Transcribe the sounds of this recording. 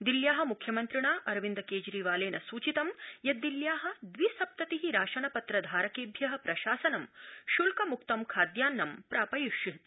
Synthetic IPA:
d̪iljaːɦɐ̆mukʰjɐmɐnt̪ɾiɳaːʔɐɾʋind̪ɐkeːd͡ʒɾiːʋaːleːnɐsuːt͡ʃit̪ɐmjɐd̪iljaːɦɐ̆d̪ʋisɐp̚t̪ɐt̪iɦiɾaːʃɐɳɐpɐt̪ɾɐd̪ʱaːɾɐkeːbʱjɐɦɐpɾɐʃaːsɐnɐmʃulkɐmuk̚t̪ɐmkʰaːd̪jaːnːɐmpɾaːpɐjuʃi

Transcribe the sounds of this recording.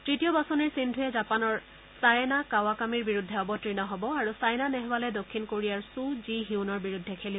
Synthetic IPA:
tɹitijɔbasɔniɹsindʱujɛzapanɔɹ | sajnakawakamiɹbiɹudʱːɛɔbɔtɹinɔɦɔbɔaɹusajnanɛɦwalɛdokʰːinkoɹijaɹsuziɦiunɔɹbiɹudʱːɛkʰeli

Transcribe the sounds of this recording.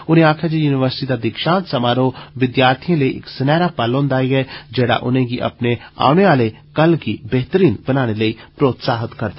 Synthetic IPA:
ʊnẽaːkʰad͡ʒijuːnɪʋəɾsɪ̥ʈid̪ad̪ɪkʃãːnt̪sɐmaːɾoʋɪd̪jaːɾt̪ʰiãləiʔɪ̰ksɪnɛːɾapaːlõːnd̪aːiɡɛd͡ʒɛːɽa̰ʔʊ̰nẽɡiʔɐ̰pnea̰ːʊñeaːle | kɐlɡibɛɦt̪əɾiːnbɐnaːñeləipɾoːt̪saːɦət̪kɐɾd̪

